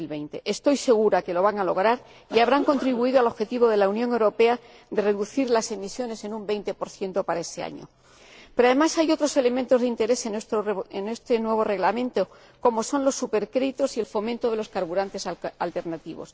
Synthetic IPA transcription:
ilβe̞jnt̪e̞ʔest̪o̞jse̞ɣ̞uɾake̞lo̞β̞aŋalo̞ɣ̞ɾaɾ | iaβɾaŋko̞nt̪ɾiβuið̞oalo̞xe̞t̪iβo̞ðe̞launjõ̞ŋe̞wɾo̞pe̞a | d̪e̞re̞ðuθiɾlase̞misjo̞ne̞se̞nũmbe̞jnt̪e̞po̞ɾθje̞nt̪o̞paɾae̞sea̰ɲo̰ | peɾoaðe̞masajot̪ɾo̞se̞le̞mẽnt̪o̞zðint̪e̞ɾe̞se̞nst̪oene̞st̪enwe̞β̞o̞re̞ɣlamẽ̞nt̪o̞ | ko̞mo̞so̞nlo̞sːupe̞ɾkɾe̞ðit̪o̞sie̞lfo̞mẽnt̪o̞ðe̞lo̞skaɾβuɾant̪e̞salt̪e̞ɾnat̪iβo̞̰s

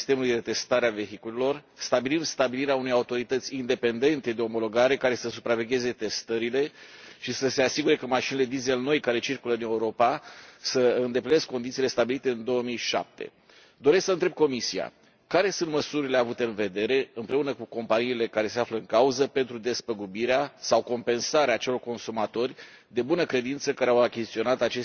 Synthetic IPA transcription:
st̪e̞mulujd̪e̞t̪e̞st̪aɾeave̞ɦikulelo̞rst̪abilimst̪abiliɾeaune̞jaut̪o̞ɾit̪ət̪sʲind̪e̞pe̞nd̪e̞nt̪e̞d̪e̞o̞mo̞lo̞ɡaɾe̞kaɾe̞səsupɾave̞ɡʲe̞ze̞t̪e̞st̪əɾile̞ʃisəse̞asiɡuɾe̞kəmaʃinele̞d̪ize̞lno̞jkaɾe̞t͡ʃirkuləɨne̞uɾo̞pasəɨnd̪epline̞skkːo̞nd̪it̪ile̞st̪abilit̪e̞ɨnd̪o̞əmijʃa̰p̚t̪e̞̰ | d̪o̞ɾesksəɨnt̪ɾeb̚ko̞misia̰ | kaɾe̞sunt̪məsuɾile̞avut̪e̞ɨnve̞d̪e̞ɾe̞ɨmpɾe̞unəkuko̞mpaniːle̞kaɾe̞se̞afləɨŋkauzəpe̞nt̪ɾud̪e̞spəɡubiɾeasawko̞mpe̞nsaɾeaːt͡ʃe̞lo̞rko̞nsumat̪o̞rʲ | d̪e̞bunəkɾe̞d̪int̪səkaɾeawakʲizit̪io̞nat̪at͡ʃe̞s

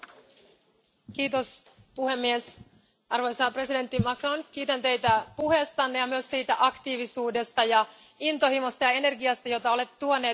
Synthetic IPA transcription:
k̟iːt̪o̞s | puhe̞mːies | ʔɑrʋojsɑpre̞side̞nt̪ːimɑkro̞nk̟iːt̪ænt̪e̞jt̪æpuɦe̞st̪ɑnːejɑmyøsːiːt̪æʔɑkt̪iːʋisuːde̞st̪ɑjɑ | int̪o̞himo̞st̪ɑjɑe̞ne̞rɡiɑst̪ɑjo̞t̪ɑo̞le̞t̪ːt̪uone̞ː

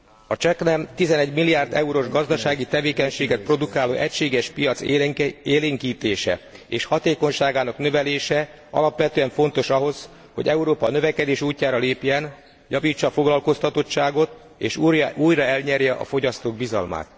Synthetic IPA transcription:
ɒt͡ʃɛknɛmt̪izɛnɛɟmilːijaːrd̪ɛuɾoʒɡɒzd̪ɒʃaːɡit̪ɛveːkɛɲʃeːɡɛt̪̚pro̞d̪ukaːlo̰ːʔɛcʃeːɡɛʃpijɒt̪seeːleːŋkiːt̪eːʃɛ̰eːʃhɒt̪eːko̞ɲʃaːɡaːnɒknø̞vɛleːʃɛ | ɒ̰lɒpʋɛt̪øɛɱfo̞n̪t̪o̞ʃɒɦo̞z̥ | hoɟɛuɾoːpɒnøvɛkɛd̪eːʃuːcːaːɾɒleːpjɛn | jɒviːt͡ʃːɒfoɡlɒlko̞st̪ɒt̪o̞t͡ʃt͡ʃːaːɡo̞t̪ | ḛːʃujuːjrɒɛlɲɛrjɛʔɒ̰fo̞ɟɒst̪oːɡ̚bizɒ̰lma̰ːt̪

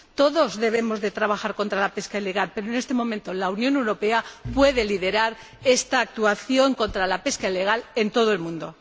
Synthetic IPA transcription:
t̪o̞ðo̞zðe̞β̞e̞mo̞zðe̞t̪ɾaβaxaɾko̞nt̪ɾalape̞skaile̞ɣalpe̞ɾoene̞st̪e̞mõ̞mẽnt̪olaunjõ̞ne̞wɾo̞pe̞apwe̞ð̞e̞liðe̞ɾaɾ | e̞st̪aːk̚t̪uaθjo̞ŋko̞nt̪ɾalape̞skaile̞ɣ̞ale̞nt̪o̞ð̞oe̞lmũnd̪o̞

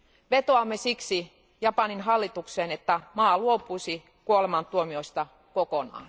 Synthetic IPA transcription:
ʋet̪oɑmːesiksi | jɑpɑninɦɑlːit̪ukseːnet̪ːæmɑːluopuisi | kuolemɑnt̪uomioist̪ɑ | kokonɑ̰ːn

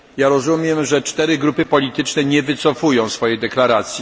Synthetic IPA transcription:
jaɾɔzumʲjɛmʐɛt͡ʂt̪ɛɾɘɡɾupɘpɔlʲit̪ɘt͡ʂnɛɲɛvɘt̪sɔfujɔ̃w̃sfɔjɛjd̪ɛklaɾat̪sʲji

